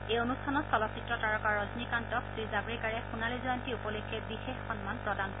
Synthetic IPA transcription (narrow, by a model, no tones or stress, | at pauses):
ejonustʰanɔsɔlɔsitɹɔtaɹɔkaɹɔznikantɔksɹizaɡɹikaɹɛxunalizɔjɔntiupɔlekʰːɛbixexːɔnmanpɹɔdankɔ